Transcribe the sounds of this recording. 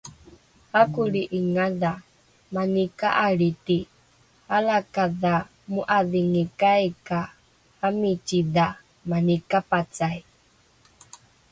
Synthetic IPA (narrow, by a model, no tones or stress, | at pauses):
hakuɺiʔiŋaða | manikaʔaɺit̪i | alakaða | muʔaðiŋikajka | hamit͡ʃiða | manikapat͡saj